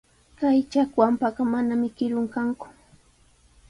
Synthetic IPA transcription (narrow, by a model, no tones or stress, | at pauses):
kajt͡ʃakwampaɢɑmanamɪkɪɾʊŋkaŋkʊ̥